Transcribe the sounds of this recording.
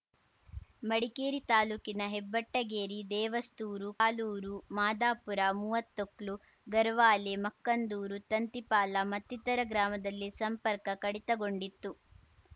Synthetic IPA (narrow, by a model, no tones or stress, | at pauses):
mɐɽikeːɾit̪aːluːkinɐɦebːɐʈːɐɡeːɾid̪ɛːʋɐst̪uːɾukaːluːɾumaːd̪aːpuɾamuːʋɐt̪ːokɭu | ɡɐɾʋaːlemɐkːɐnd̪uːɾut̪ɐnt̪ipaːlɐmɐt̪ːit̪ɐɾɐɡɾaːmɐd̪ɐlːisɐmpɐɾkɐkɐɽit̪ɐɡo̞ɳɖit̪ːu